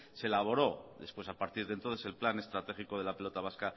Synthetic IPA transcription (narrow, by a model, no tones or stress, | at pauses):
selaβ̞o̞ɾo̞ðe̞spwe̞sapaɾt̪iɾðent̪onθe̞se̞lplane̞st̪ɾat̪e̞xiko̞ðe̞lape̞lo̞t̪aβ̞aska